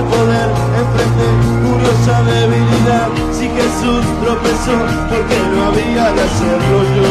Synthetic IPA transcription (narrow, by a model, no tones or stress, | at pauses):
poðeɾ | ẽɱfɾẽnt̪eɾkuɾjosaðeβiliðað | sikesusp̪ɾofeso | peɾkeɲuaβiaðasepɾoʒu